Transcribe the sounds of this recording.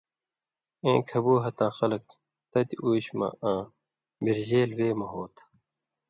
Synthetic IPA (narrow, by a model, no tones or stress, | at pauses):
ẽːkʰɐbuːɦɐt̪ãːxɐlɐk̚ | t̪ɐt̪iʔuːɕmɐ̰̃ʔãː | miɾʑeːlweːmɐɦoːt̪ʰ